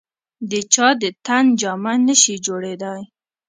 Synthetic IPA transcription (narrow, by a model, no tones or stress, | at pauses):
d̪ət͡ʃɑd̪ət̪and͡ʒɑmanəʃid͡ʒoɽed̪aj